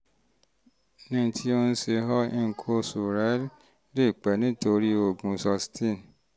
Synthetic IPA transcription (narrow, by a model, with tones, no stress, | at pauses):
nĩ˧˦tʰi˦o˧n̩˦se˧ɦɔ˦i˦˧ŋ̩˨kʰo˧su˨ɾɛ˨˦l | le˦˨k͡pɛ˨nĩ˨˦to˧ɾi˦o˦˨ɡũ˨˧sɔ˧stʰĩ˦˨n˨